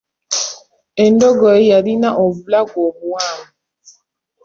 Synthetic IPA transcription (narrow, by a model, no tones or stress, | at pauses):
endɔɡɔjejaɾinaʔoβulaɡwoβuwaːmu